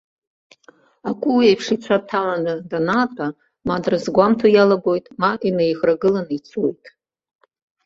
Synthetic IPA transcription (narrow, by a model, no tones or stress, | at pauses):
akʷʼuwiajpʰʂit͡ɕʷʰatʰalanɨdanatʼa | madrɨzɡʷamtʰajalabo̞jtʼmaʔinejʁraɡɨlanɨit͡sʰojtʼ